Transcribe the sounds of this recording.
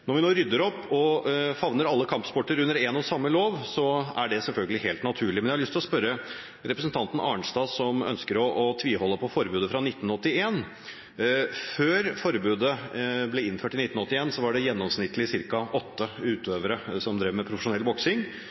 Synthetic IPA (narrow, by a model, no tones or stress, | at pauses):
nɔɾʋɪnoːɾʏd̪ːəɾɔpːɔfɑʋnəɾɑlːəkʰɑmpspɔʈːəɾʉnːəɾɛːnɔsɑmːəloːʋsɔæɖɛsɛlfœlɡəlɪɦeːlt̪nɑt̪ʰʉːɭɪmɛnjæhɑɭʏst̪ɪlɔspœɾə | ɾɛpɾəsən̩t̪ʰɑnt̪n̩ɑ̰ːəɳʂt̪ɑːsɔmœ̰nskəɾɔʔːt̪ʰʋiːhɔlːəpʰɔfɔɾbʉːd̪əfɾɑnɪt̪ːn̩ɔt̪ːɪeːn | føːɾfɔɾbʉːd̪əblɛɪnføːʈɪnɪt̪ːnɔt̪ːɪeːnsɔʋɑɖɛjɛnːɔmsnɪt̪ʰːlɪsɪɾkɑʔɔt̪ːəʉːt̪ʰøːʋəɾəsɔmd̪ɾɛʋmɛpʰɾʊfəʂʊnɛlːbɔksɪŋ